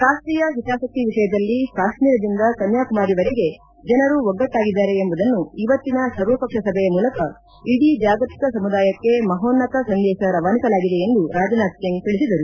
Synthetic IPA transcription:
kaːʃʈ̪ɾiːjɐɦit̪aːsɐk̚t̪ːiʋiʂɐjɐd̪ɐlːikaːʃmiːɾɐd̪ind̪ɐsɐnjaːkumaːɾiʋɐɾeɡe̞ | d͡ʒɐnɐɾuʋɔɡːɐt̪ːaːɡid̪ːaːɾe̞embɐd̪ɐnːuiʋɐt̪ːinɐsɐɾʋɐpɐkʂɐsɐbʱɛjɐmuːlɐkɐ | iɽid͡ʒaːɡɐt̪i̥kɐsɐmud̪aːjɐkːe̞mɐɦoːnːɐk̪ɐsɐnd̪ɛːʃɐɾɐʋaːnisɐlaːɡid̪e̞end̪uɾaːd͡ʒɐnaːk̪jɐnt̪iɭisid̪ɐɾu

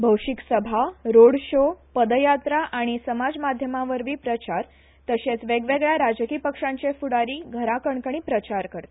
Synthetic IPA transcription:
bʱəwʂiksəbʱaɾoɽɕopəd̪əjat̪ɾaʔaɽ̃isəmad͡zmad̪ʱjəmaʋəɾʋiːpɾət͡ɕaɾ | t̪əɕet͡sʋeɡʋeɡɭjaɾad͡zəkiːpəkʂãɲt͡ɕefuɽaɾiːɡʱəɾakəɳkəɳ̃iːpɾət͡ɕaɾkəɾt̪

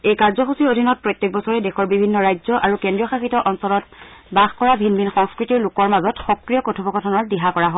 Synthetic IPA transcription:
ejkaɹzɔxusiɹodʱinɔt̚pɹɔjtːek̚bɔsɔɹɛdexɔɹbibʱinːɔɹajzɔʔaɹukendɹijɔxaxitɔʔɔnsɔlɔtbaxkɔɹabʱinminxɔŋskɹitiɹlukɔɹmazɔtxɔkɹijɔkotʰubɔɡɔtʰɔnɔɹdiɦakɔɹaɦɔ

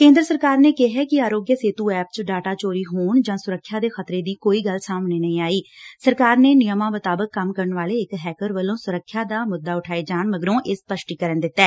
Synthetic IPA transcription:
kẽːnd̪ɾəsəɾkaːɾneːkɪɦɛːkɪaːɾoːɡjəseːt̪uːɛːp̚t͡ʃɖaːʈaːt͡ʃoːɾiːɦoːɳd͡ʒãːsʊɾəkʰːjaːd̪eːxət̪ɾeːd̪iːkoːiːɡəlsaːmneːnəĩːaːiːsəɾkaːɾneːnɪjəmãːmʊt̪aːbəkːəmkəɾəɳʋaːleːɪkɦɛːkəɾʋəlõːsʊɾəkʰːjaːd̪aːmʊd̪ːaːʊʈʰaːed͡ʒaːɳməɡəɾõːʔɪspəʃʈiːkəɾənd̪ɪt̪ːɛː

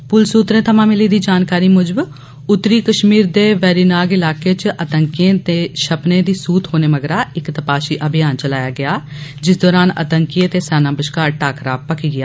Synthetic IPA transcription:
pʊlsuːt̪ɾẽːt̪ʰəmãːmɪliːd̪iːd͡ʒaːnkaːɾiːmʊd͡ʒəb | ʊt̪ːɾiːkəʃmiːɾd̪eːʋɛːɾiːnaːɡɪlaːkeːt͡ʃʔət̪əŋkɪjẽːt̪eːʃəpnẽːd̪iːsuːt̪ɦoːneːməɡɾaːɪkt̪əpaːʃiːʔəbʱɪjaːnt͡ʃəlaːjaːɡɪjaːd͡ʒɪsd̪ɔːɾaːnə̰t̪əŋkɪẽːt̪eːsaːnãːbəʃkaːɾʈaːkɾa̰ːpəkiːɡɪjaː

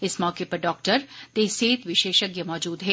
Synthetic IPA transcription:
ɪsmɔːkepɐɾɖɔːk̚ʈəɾt̪eseːt̪ʋɪʃeːʃəɡjɐmɔːd͡ʒuːd̪ɦɛː

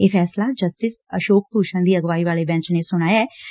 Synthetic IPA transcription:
eːfʰɛːslad͡ʒəsʈɪs | əʃoːkt̪uːʃənd̪iːɐɡʋaːiʋaːlebɛ̃ːnt͡ʃnesʊɽ̃aːjaː

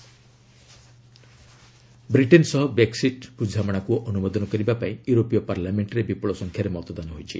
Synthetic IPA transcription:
bɾiʈensɔɦɔbɾeksiʈpud͡ʒʱamɔɽ̃akuʔɔnumɔd̪ɔnɔkɔɾibapaĩjuɾopijɔpaɾlameɳʈɾebipɔɭɔsɔŋkʰjaɾemɔt̪ɔd̪anɔɦojt͡ʃʰḭ

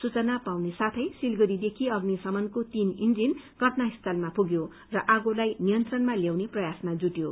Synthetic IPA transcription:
sut͡sʌnapawnesat̪ʰʌjsilɡʌɾid̪ekʰiʌɡnisʌmʌnkot̪inind͡zin | ɡʱʌʈnaɦist̪ʰʌlmapuɡjo | rʌʔaɡolajnijʌnt̪rʌnmaljawneprʌjasmad͡zuʈjo

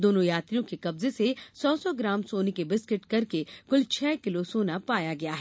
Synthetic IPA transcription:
d̪oːnõjaːt̪ɾijõkekɐbzesesɔːsɔːɡɾaːmsoːnekebɪskɪʈkɐɾkekʊlt͡ʃʰɛːkɪlosoːnapaːjaɡɐjaɦɛː

